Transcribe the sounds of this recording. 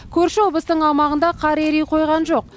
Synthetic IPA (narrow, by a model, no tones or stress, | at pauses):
kʲʰɵɾʃɪwo̞b̪ˠəst̪əɴɑlˠmɑʁənd̪ɑqʰɑɾeɾejqʰo̞jʁɑnʒo̞q̚